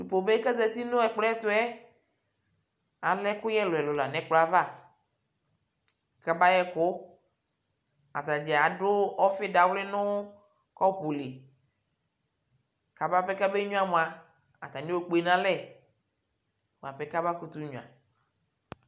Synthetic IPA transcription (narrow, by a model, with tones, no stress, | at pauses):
du˨po˨be˦kɛ˦d̪ɛ˨t̪i˦nʊ̃˦ɛ˨k͡plɔ˦ɛ˦t̪ʊ˦ɛ˦ | a˨lɛ˦kʊ˦jɛ˦lʊ˨ɛ˨lʊ˨la˨nɛ̃˦k͡pla˦va˦˨ | ka˦ba˦jɛ˦kʊ˦ | a˨t̪a˨d͡ʒɛ˨a˨ɖʊ˦ɔ˦fɪ˦da˨wlɪ˦nʊ̃˦ | kɔ˦po˨le˨ | ka˨ba˦˨ɸɛ˦ka˦be˦ɲũ˦a˦mõ˨a˨ | a˨t̪a˨ne˦o˨k͡po˨e˨nã˦lɛ˦˨ | m˨a˨ɸɛ˦ka˦ba˦ku˦t̪u˦ɲũ˨ã̰˨